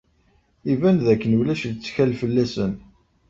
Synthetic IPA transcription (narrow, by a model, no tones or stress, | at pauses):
ivænðækːənuwlæʃlt͡sːçælfəlːæsən